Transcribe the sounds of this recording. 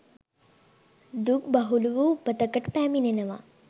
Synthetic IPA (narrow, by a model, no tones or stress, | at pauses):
d̪uk̚baɦuluʋuupːət̪əkəʈpæːminenəʋa̰